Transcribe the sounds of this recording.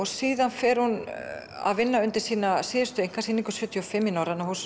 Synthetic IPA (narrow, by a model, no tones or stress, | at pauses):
ɔɣsiːðanfɛɾhun | a̰ðvɪnːaʏnt̪ɪɾ̥siːnasɪːðʏst̪ʏejŋ̥kʰasiːniŋkʏsjœːt̪ʰiɔfɪmːɪnaːwɾanahus